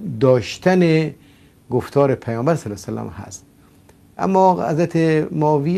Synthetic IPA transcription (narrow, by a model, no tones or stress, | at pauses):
d̪ɔːʃt̪ʰane | ɡoft̪ʰɒːɾepʰæjɔːmbæɾsalosalæ̰mha̰st̪ | ʔa̰mːɔːa̰zɾat̪ʰemɔːvi